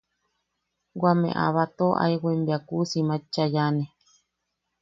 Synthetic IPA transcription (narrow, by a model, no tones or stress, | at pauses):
wamḛ̃ʔa̰βat̪oʔa̰iwʷembiakusimãt͡ʃːajanẽ